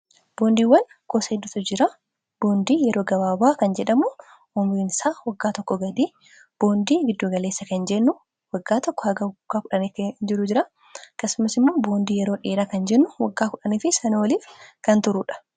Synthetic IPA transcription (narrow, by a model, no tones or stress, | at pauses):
b̥oːnd̪iːwːɐn | koːsɐɛd̪ːʊt̪ʊd͡ʒɪɾa | b̥oːnd̪iːjɛɾʔoːɡɐbaːbaːkɐnd͡ʒɛᶑɐmʊ | ʔʊmɾinsaːwɐɡːaːt̪ɔkːɔɡɐd̪iː | b̥o̞ːnd̪iːɡɪd̪ːoːɡɐleːsːɐkɐnd͡ʒɛnːʊ | wɐɡːaːt̪ɔkːɔ̥hɐɡɐkːaːkʊᶑɐnind͡ʒɪɾʊd͡ʒɪɾɐ | kːɐsːʊmɐsɪmːoːbo̞ːnd̪iːjɛɾoːᶑeːɾaːkɐnd͡ʒɛnːʊwɐɡːaːkʊᶑɐniːfɪsɐnoːliːfkɐnt̪ʊɾuːᶑɐ̥